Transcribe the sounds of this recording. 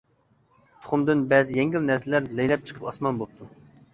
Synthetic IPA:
t̪ʰʊ̥χʊmd̪ɨnbɛzɪjɛŋɡʲɪlnæɾsɪlæɾlejlɛp̚t͡ʃʰə̥qʰə̥pɑsmɑnbolp̚t̪ʰu

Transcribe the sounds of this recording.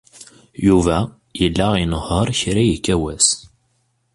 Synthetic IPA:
juvæ | jəlːæinəhːəɾˤçɾæjəkːæwæs

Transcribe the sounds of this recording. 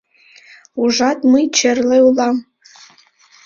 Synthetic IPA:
uʐatʼmɨit͡ʃʰarlaulam

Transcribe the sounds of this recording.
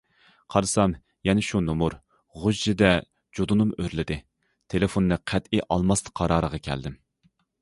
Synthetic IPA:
qʰɑɾɨsɑm | jɛnɪʃunumuɾ | ʁʊʒd͡ʒɪd̪ɛ | d͡ʒod̪unɨmøɾlɪd̪ɪ | t̪ʰelɪfonːɨqʰæt̪iʔɑlˠmɑst̪qʰɑɾɑːɾəʁɑkʲʰɛ̰ld̪ɪm

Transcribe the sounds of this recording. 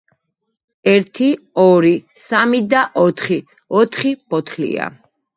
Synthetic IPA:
ɛɾt̪ʰi | ɔɾisamid̪aʔɔt̪ʰχi | ɔt̪ʰχipɔt̪ʰlḭa̰

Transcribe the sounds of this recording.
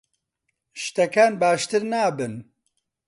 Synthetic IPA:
ʃt̪ɛkaːnbaːʃt̪ɨɾnaːbɨn

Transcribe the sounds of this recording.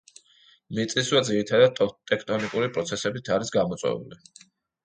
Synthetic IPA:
mit̪sʼiswad̪ziɾit̪ʰad̪ad̪̚t̪ʼɛkʰt̪ʼɔnikʼuɾipʼɾɔt̪sʰɛsɛbit̪ʰaɾisɡamɔt̪sʼwɛ̰vṵli

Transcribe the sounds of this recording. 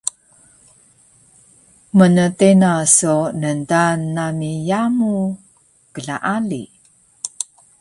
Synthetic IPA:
mənətenasunəntanːamijamu | kəɮaʔalḭ

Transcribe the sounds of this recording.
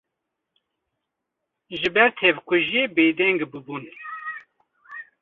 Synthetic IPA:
ʒɨbɛɾt̪ʰɛvkʷʰʊʒebeːd̪ɛŋɡbɨbun

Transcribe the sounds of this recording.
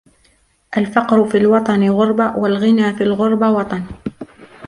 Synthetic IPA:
ʔalfɑqɾʊfiːlwɑt̪ˤɑnɪɣʊɾˤbawalɣɪnaːfiːlɣʊɾˤbawɑt̪ˤɑn

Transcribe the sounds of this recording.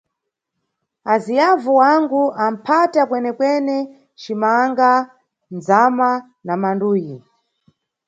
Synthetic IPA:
azijavuwaŋɡuam̩pʰatakwɛnɛkwɛnɛ | t͡ʃimaŋɡa | nd͡zama | namanduːji

